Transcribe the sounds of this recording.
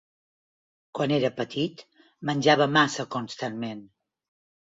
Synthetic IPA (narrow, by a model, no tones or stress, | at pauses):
kwaneɾəpət̪ʰit̪ | mənʲʒaβəmasəkunst̪anmen